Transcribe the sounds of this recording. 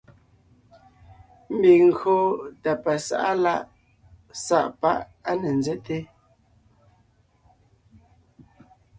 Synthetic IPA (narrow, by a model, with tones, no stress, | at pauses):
m̩˦bi˨ŋ̩˨ɡo˦ta˨pa˨sa̰˨ʔa˦la˦˨ʔ | sa̰˦ʔpa˦ʔa˦ne˨n̩˨zɛ˦te˦